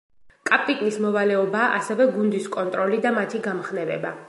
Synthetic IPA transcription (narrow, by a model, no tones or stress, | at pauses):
kʼapʼikʼnismɔvalɛɔbaːʔasɛvɛɡund̪iskʼɔnt̪ʼɾɔlid̪amat̪ʰiɡamχnɛvɛ̰ba